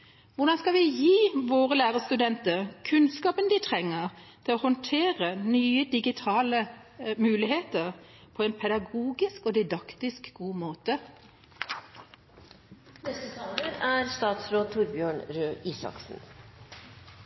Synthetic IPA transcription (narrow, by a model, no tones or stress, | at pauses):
ʋʊɖɑnskɑʋɪjiːʋoːʁəlæːʁəst̪ʉd̪ɛnt̪əʁkʰʉnskɑːpənd̪ɪt̪ʰʁɛŋːəʁt̪ʰɪlɔːhɔnt̪ʰeːʁənyːəd̪ɪɡɪt̪ʰɑːləmʉːlɪɦeːt̪əʁpʰɔɛːnpʰɛd̪ɑɡuːɡɪskod̪ɪd̪ɑkt̪ɪskɡ̥uːmoːt̪ə | nɛst̪ət̪ʰɑːləɾæɾst̪ɑːt̪sɾoːd̪̚t̪ʰʊɾbjøːɳɾøːiːsɑ̰ksn̩